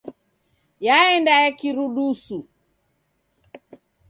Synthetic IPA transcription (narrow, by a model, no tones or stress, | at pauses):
jaɛndajakiɾuɗusu